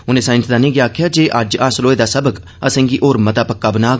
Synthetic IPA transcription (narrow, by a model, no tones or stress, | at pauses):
ʊnẽːsãːɪ̃nsd̪aːnĩːɡjaːkʰjaːd͡ʒeːʔəd͡ʒaːsloːeːd̪aːsəbək | əsə̃ːŋɡiːʔoːɾmət̪aːpəkːaːbənaː